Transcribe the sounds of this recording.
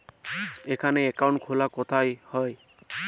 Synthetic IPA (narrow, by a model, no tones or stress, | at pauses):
ekʰaneekaw̃ɳʈkʰolakot̪ʰajhɔj